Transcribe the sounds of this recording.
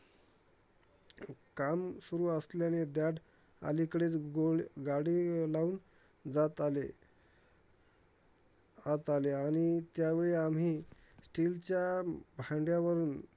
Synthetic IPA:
kamsuɾuːəsleañed̪jaɽ | a̰likɽet͡sɡoɡaɽiːlaun | d͡zat̪ale | at̪aleaɽ̃it̪jaʋeɭiam̤ɦiː | sʈilt͡ɕjabʱãɳɖjaʋəɾuːn

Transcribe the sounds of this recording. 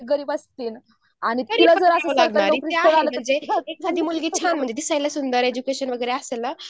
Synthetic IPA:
ɡəɾiːbast̪iːn | añit̪ɡəɾilad͡zəɾasəlaɡnaanikɾit̪jaaləm̤əɳd͡zeeksat̪imulɡit͡ɕʰanm̤əɳnd͡zed̪isajlasund̪əɾed͡ʑukeɕənʋəɡəjɾeasela

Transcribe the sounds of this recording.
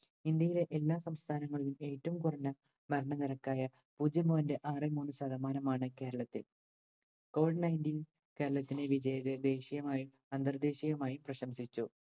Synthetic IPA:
ind̪jɐjile̞ʔelːaːsɐmst̪ʰaːnɐŋːɐɭilume̞ːtːɐʋumkurɐɲːɐ | mɐɾɐɳɐnirɐkːaːjɐ | puːd͡ʑɐmuʋɐnde̞ʔaːrɨmuːnːɨɕɐːd̪ʱɐmaːnɐmaːɳɨke̞ːɾɐɭɐt̪ːil | ko̞ːʋiɖnɐjndiːn | ke̞ːɾɐɭɐt̪ːineʋid͡ʑɐjɐðɨd̪e̞ːɕijɐmaːjum | ɐnd̪ɐrd̪e̞ːɕijɐmaːjuprɐɕɐmsit͡ɕːu

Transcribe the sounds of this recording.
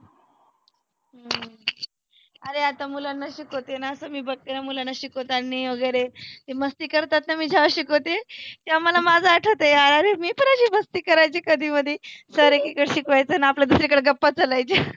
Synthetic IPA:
ə | əɾeat̪amulanːaɕikɦot̪enaəsəːmiːbək̚t̪eɾamulanːaɕikot̪anːiʋəɡəjɾet̪eməst̪iːkəɾt̪at̪namiːd͡ʑʱaʋaɕikot̪ek̪iamalamad͡zʱaːʈʰot̪ejaəɾemiːpəɳaɕiːməst̪iːkəɾajt͡siːkəd̪ʱiːməd̪ʱːjesəɾekikəɽɕikʋajt͡sənaapljad̪usɾekəɽeɡəpːat͡salajt͡ɕi

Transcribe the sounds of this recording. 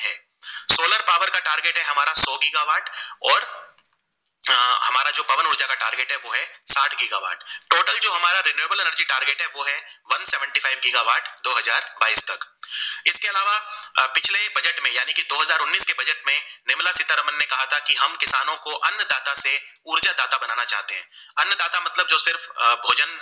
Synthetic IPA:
ɦɛː | soːləɾpaːʋəɾkaʈaːɾɡeːʈɦɛɦɐmaːɾasɔːɡɪɡaːʋaːʈɔːɾ | ɦɐmaːɾad͡ʒoːbɐʋənʊɾd͡ʒakaʈa̰ːɾɡeːʈɦɛʋoːɦɛsaːʈʰɡɪɡa̰ːʋa̰ːʈ̚ʈoːʈəld͡ʒoːɦɐmaːɾaɾenjueːbəlenəɾd͡ʒiʈaːɾɡeːʈɦɛʋoːɦɛʋɐnsɛːʋə̃ɳʈifaːɪʋɡɪɡaːʋaːʈd̪oːɦɐzaːɾba̰ːiːst̪ɐkɪskeɐlaːʋapɪt͡ʃʰlebɐd͡ʒəʈmẽjaːnikid̪oːɦɐzaːɾʊnːiːskebɐd͡ʒəʈmẽnɪmlasɪt̪aɾɐmənːekɐɦat̪ʰakiɦɐmkɪsaːnõkoʔɐnːd̪aːt̪ase | uːɾd͡ʒad̪aːt̪abɐnaːnat͡ʃa̰ːɦt̪eɦɛ̃ː | ɐnːd̪aːt̪amɐt̪ləb̚d͡ʒoːsɪɾfbʱoːd͡ʒən

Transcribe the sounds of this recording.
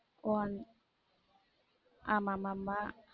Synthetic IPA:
wan | ʔamamama

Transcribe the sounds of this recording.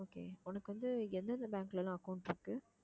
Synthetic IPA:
oːkḛːɔnɐkːɯʋɐnd̪ɯɛnd̪ɐnd̪ɐbaːŋklɛlãːɐkɐʊɳʈpɐːkːɯ

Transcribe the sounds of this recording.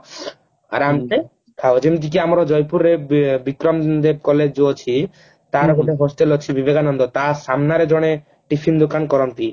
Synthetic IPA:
a̰ɾamt̪e | kʰaod͡ʒemit̪̬ik̬iamɾɔd͡ʒɔjpuɾːebikɾɔmd̪eb̚kɔled͡ʒɔt͡ʃʰi | t̪aɾɔɡoʈeɦosʈelɔt͡ʃʰibibeɡanɔnd̪ɔt̪asamnaɾed͡ʒɔɽ̃e | ʈipʰind̪okankɔɾɔnt̪i

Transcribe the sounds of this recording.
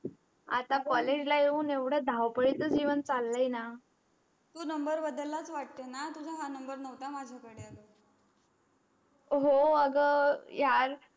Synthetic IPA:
a̰t̪akɔled͡ʑlaeũːneʋɽ̤əd̪ʱaʋpəɽit͡səd͡ʑiʋənt͡salːəjina | t̪uːnəmbəɾbəd̪əlːat͡sʋaʈ̚t̪ənat̪ud͡ʑʱaɦanəmbəɾnəʋt̪amad͡ʑʱakəɽeəɡə | ɦoəɡəjaɾ

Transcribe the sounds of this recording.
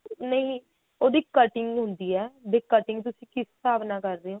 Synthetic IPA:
nəɦĩː | oːd̪iːkəʈɪŋɡɦʊnd̪iːɛːbekəʈɪŋɡt̪̬ʊsĩːkɪsːaːbnaːkəɾd̪eːõː

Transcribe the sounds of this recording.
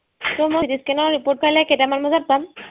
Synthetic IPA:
tɔmojidiskɛnɔɹːipoɹt̚pʰajlakejtamanmɔzat̚pam

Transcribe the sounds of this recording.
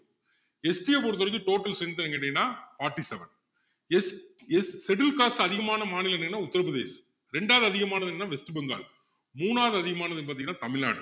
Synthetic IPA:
ɛsʈijɐpoːɾt̪ːɐɾɯkːɯʈoːʈːɐlsɛnt̪ɐɛŋɡɐʈːɐŋnːaːfaːɾʈːisɛʋɐn | ɛɛːɛʈɪlkaːsʈɐðɪɣɐmaːnɐmaːnɪlɛnːɐnːaːʊt̪ːɐɾɐpɯðḛːs | ɾɛɳɖaːðɯɐðɪɣɐmaːnɐðɯnnːaːʋɛsʈɯbɛŋɡa̰ːl | muːnaːðɯɐðɪɣɐmaːnɐðɯɛnbɐːt̪ɪiŋɐnːaːt̪ɐmɪlna̰ːɽɯ

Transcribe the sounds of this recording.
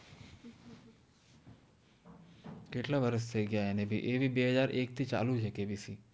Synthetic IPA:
keʈʰlaʋəɾəs̬t̪ʰeɡjaenebʱiʔeːbʱibeɦəzaːɾʔeːk̚t̪ʰit͡ʃa̰ːlut͡ʃʰekeːbʱisiː

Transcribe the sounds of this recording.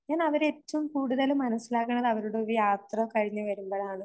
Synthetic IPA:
ɲaːnɐʋɐɾe̞tːɐʋumkuːɽuðɐlumːɐnɐsːilaːkːɐɳːɐðɐʋɐɾuɽeoɾijaːt̪rɐkɐɻiɲːɨʋɐɾumboːɭaːɳɨ

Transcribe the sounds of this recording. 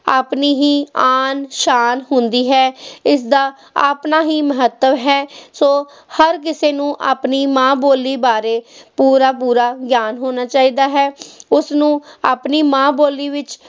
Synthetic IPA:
a̰ːpniːɦiːaːnʃaːnɦʊnd̪iːɦɛːɪsd̪aː | a̰ːpnaːɦiːməɦət̪ːəʋɦɛːsoː | həɾkɪseːnũːʔa̰ːpniːmãːboːlːiːbaːɾeːpuːɾaːpuːɾaːɡjaːnɦoːnaːt͡ʃaːiːd̪aːɦɛːʊsnũːaːpniːmãːboːliːʋɪt͡ʃ

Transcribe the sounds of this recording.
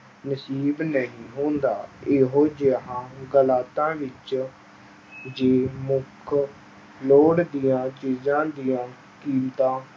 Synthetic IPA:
nəsiːbnəɦĩːɦõːnd̪aːɪɦoːd͡ʒeəɦãːɡəlaːt̪ãːʋɪt͡ʃ | d͡ʒeːmʊkʰ | loːɽd̪ijãːt͡ʃiːzãːd̪ijãː | kiːnt̪ãː

